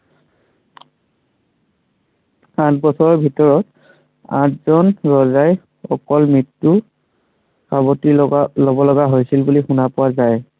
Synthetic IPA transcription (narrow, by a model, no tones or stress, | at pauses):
ãtbɔsɔɹɔɹbʱitɔɹɔt | ã̰tzɔnɹɔzaj | ɔkɔlmɹitːu | sabɔtilɔbɔlɔɡaɦojsilbulixunapʊwazaj